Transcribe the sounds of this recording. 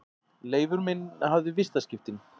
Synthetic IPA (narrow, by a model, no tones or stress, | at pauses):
leːjvʏɾmɪnaɦavðʏvɪst̪ascɪft̪ɪn